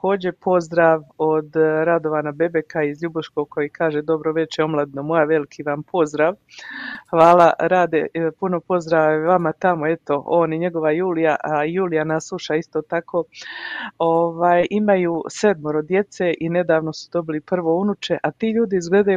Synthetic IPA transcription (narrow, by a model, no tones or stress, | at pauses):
ko̞ːd͡ʑe̞pʰo̞zd̪ɾaːʋo̞d̪ɾad̪o̞ʋanabe̞be̞kaizʎubuʃko̞ɡ̚kʰo̞jiːkʰaːʒe̞d̪o̞bɾoʋe̞t͡ʃeo̞mlˠad̪ino̞mo̞jaʋe̞likʰiʋampʰo̞zd̪ɾaːʋ | xʋaːlˠaɾaːd̪epuno̞po̞zd̪ɾaʋeʋamat̪amoe̞t̪o̞o̞ːniɲe̞ɡo̞ʋajuːlijajuːlijanasuʃaist̪o̞ːt̪akʰo̞ː | o̞ʋaːjʔimajuːse̞d̪moɾod̪je̞t̪seʔine̞d̪aːʋno̞su̥d̪o̞bilipr̩ʋo̞unut͡ʃe̞ʔat̪iːʎuːd̪iizɡle̞d̪aju